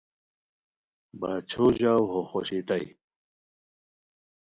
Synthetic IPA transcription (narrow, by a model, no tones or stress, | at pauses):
baːt͡ɕʰoːʑaːwɦoxoɕit̪aj